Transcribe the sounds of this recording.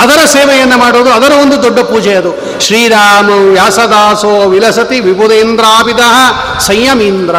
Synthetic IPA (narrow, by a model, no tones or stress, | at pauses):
ɐd̪ɐɾɐseːʋɛjɐnːɐmaːɽuːd̪uɐd̪ɐɾɐond̪ud̪oɖːɐpuːd͡ʒɛɐd̪u | ʃɾiːɾaːmɐʋjaːsɐd̪aːsoːʋilɐsɐt̪iʋibud̪eːnd̪ɾaːpid̪ɐɦɐ | sɐjjɐmiːnd̪ɾɐ